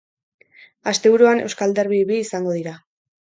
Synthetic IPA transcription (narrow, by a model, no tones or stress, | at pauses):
ast̪e̞βuɾuane̞wskald̪eɾβiβiːsaŋɡo̞ðiɾa